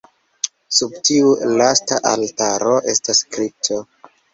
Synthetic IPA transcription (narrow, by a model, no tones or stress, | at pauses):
sub̚tiulastaʔaltaɾo̞ʔe̞staskɾip̚tʰo